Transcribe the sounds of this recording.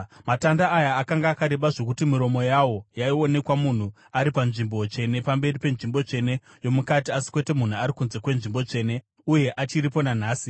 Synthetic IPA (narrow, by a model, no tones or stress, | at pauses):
matandaːjaːkaŋɡaːkaɾe̞ɓaʐo̞kutimiɾo̞mo̞jawo̞jaio̞ne̞kwamun̤u | aɾipanʐimbo̞t͡ʂe̞ne̞pambe̞ripe̞nʐimbo̞t͡ʂe̞ne̞ | jo̞mukatiasi̥kwe̞te̞mun̤uaɾikunze̞kwe̞nʐimbo̞t͡ʂe̞ːne̞ | uje̞ʔat͡ʃiɾipo̞nan̤aːsi